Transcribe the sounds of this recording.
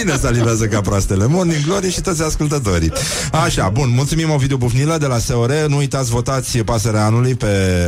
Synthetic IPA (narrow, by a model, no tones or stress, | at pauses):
inesaliveazəkapɾoast̪e̞le̞morniŋɡlo̞ɾijʃit̪ot̪sʲaskult̪ət̪̬o̞ɾḭ | aʃabunmult̪sumimavid̪eobufniləd̪e̞laseoɾe̞nuujt̪at̪sʲvo̞t̪at̪sʲpaseɾaanulujpe̞